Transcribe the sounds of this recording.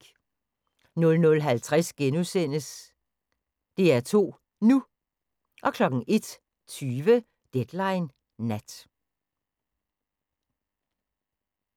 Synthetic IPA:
nɔ̽lnɔ̽lɦælt͡sʰʁasɡ̥enusen̰əs | d̥e̝æɐt͡sʰo̝̰ː | nu | ʔɒ̽kʰlɒ̽ɡ̥ŋ̩ʔe̝d̥ | t͡sʰyːʋə | d̥ed̥lɑ̈ɪnː | æd̥

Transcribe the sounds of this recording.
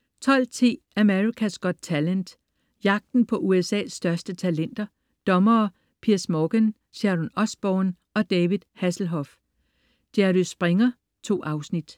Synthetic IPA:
t͡sʰɒ̽l̰t͡sʰḭː | æmeʁikʰæsɡ̥ɔ̽d̥̚t͡sʰælənd̥ | jɑ̈ɡ̥̚d̥n̩pʰɒ̽ʔuesɛ̰ːsːd̥ɶɐsd̥ət͡sʰælen̰d̥ɐ | d̥ɒ̽mɐː | pʰiɐ̰smɒɡ̥en | ɕæʁɔnɒ̽sb̥ɒːn | ɒ̽d̥ɛːʋiðˠhæsl̩ɦɒ̽f | d̥ædysb̥ʁeŋɐ | t͡sʰo̝̰ːʔɑ̈ʊsnid̥

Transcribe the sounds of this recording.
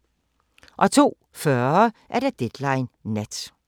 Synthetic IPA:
ʔɒ̽t͡sʰo̝̰ː | fɶɐʔæɐɾ̥ɑd̥ed̥lɑ̈ɪnːed̥

